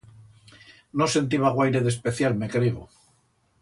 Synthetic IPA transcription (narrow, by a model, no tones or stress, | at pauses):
nose̞nt̪̬iβ̞aɣwajɾeðe̞spe̞θjalme̞kɾiɣo